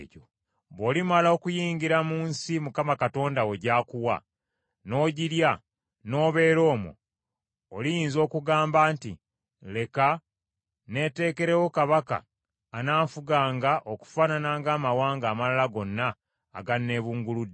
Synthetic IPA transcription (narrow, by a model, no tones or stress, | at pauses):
ɟo̰ | βoːlimalao̞kujiːŋɡiɾamuːnsimukamakato̞ːndawoɟaːkuwa̰ | no̞ːɟiɾja | no̞ːβe̞ːɾo̞ːmo̰ː | lijiːnzo̞ːkuɡaːmbaːnti | le̞ka | ne̞te̞ːke̞ɾewo̞kaβaka̰ː | naːɱfuɡaːŋɡaʔoku̥faːnanaːŋɡaːmawaːŋɡaːmalalaɡo̞nːa̰ː | ɡanːe̞ːβuːŋɡulud